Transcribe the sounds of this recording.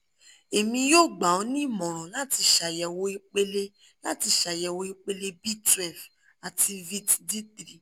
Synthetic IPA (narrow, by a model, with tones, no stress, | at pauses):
e˨mĩ˧jo˦˨ɡ͡ba˨o˨˦nĩ˦˨mɔ̃˨ɾ̃ɔ̃˨la˦ti˧˦ʃa˨jɛ˧wo˦i˧k͡pe˦le˦ | la˦ti˧ʃa˨jɛ˧˨wo˦i˧k͡pe˦le˦bi˦tɾɛ˨f | a˨tʰi˧vi˦tdi˦tɾi˨